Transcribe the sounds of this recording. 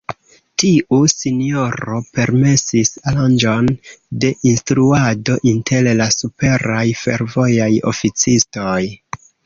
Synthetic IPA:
tiʔusinio̞ɾo̞pe̞ɾme̞sisaland͡ʒo̞nde̞ʔinstɾuado̞ʔintʰe̞llasupe̞ɾajfe̞̰ɾvo̞jajo̞̰fit͡sistoj

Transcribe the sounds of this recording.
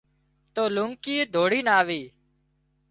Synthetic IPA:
t̪oːlʊŋkiːd̪ʱoːɽiːnaːʋiː

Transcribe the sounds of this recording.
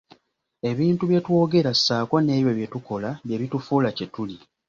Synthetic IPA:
e̞βiːntuβje̞two̞ːɡe̞ɾasːaːko̞ne̞ːβjwe̞βje̞tuko̞laβje̞βitufuːlacetuli

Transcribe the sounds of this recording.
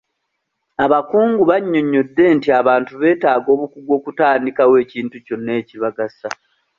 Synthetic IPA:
aβakuːŋɡuβaɲːo̞ɲːo̞dːe̞ntiaβaːntuβe̞ːtaːɡo̞ːβukuɡwo̞ːkutaːndikawe̞ːciːntuco̞nːe̞ːciβaɡasa

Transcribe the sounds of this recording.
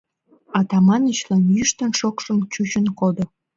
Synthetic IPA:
ɑt̪ɑmɑnət͡ɕlɑnjyʃt̪ənʃokʃə̆mt͡ɕut͡ɕənkod̪o

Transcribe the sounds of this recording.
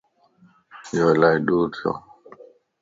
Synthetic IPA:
jolajɗuːt̪ʰjo̰

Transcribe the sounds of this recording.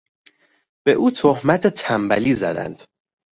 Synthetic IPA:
b̥eʔuːt̪ʰohmæt̪ʰet̪ʰæmbæ̰liːzæ̰d̪æ̰nd̪̥

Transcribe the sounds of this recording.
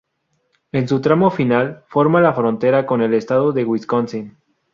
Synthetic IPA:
e̞nsut̪ɾamo̞finalfo̞ɾmalafɾo̞nt̪e̞ɾako̞ne̞le̞st̪aðoðe̞ɣwiskonsin

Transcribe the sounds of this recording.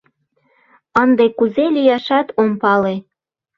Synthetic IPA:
ənd̪ekuzelʲijɑʃɑt̪ompɑle

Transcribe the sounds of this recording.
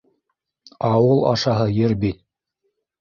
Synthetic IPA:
ɑwɤlˠɑ̰ʃɑɦɤjɘɾbit̪̚

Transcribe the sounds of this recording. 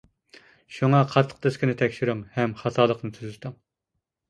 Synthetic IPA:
ʃuŋɑqʰɑt̪ʰːə̥q̚d̪ɨskʲinɪt̪ʰɛkʲʃiɾyŋhɛmχɑt̪ʰɑːlˠəqnɨt̪ʰyzɪt̪ɨŋ

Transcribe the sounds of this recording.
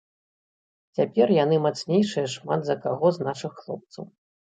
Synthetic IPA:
t͡sʲapʲɛrjanɨmat̪snʲejʂɨjɐʂmad̪zɐkaɣɔznaʂɨxːlˠɔp̚t̪sɐw

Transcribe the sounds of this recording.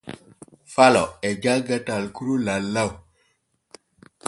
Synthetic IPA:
falo̰ed͡ʒaɡatalkuɾulalːaw

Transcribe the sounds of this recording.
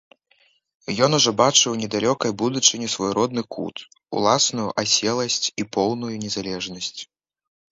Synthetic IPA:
jɔnuʐɔbat͡ʂɨwnʲɛd̪alʲɔkɐjbud̪ut͡ʂɨnʲɛsvɔjɾʔɔd̪nɨkʰṵt̪ | ṵlˠasnujuʔasʲɛlˠɐsʲt͡sʲipɔwnujunʲɛzalʲɛʐnɐsʲt͡sʲ

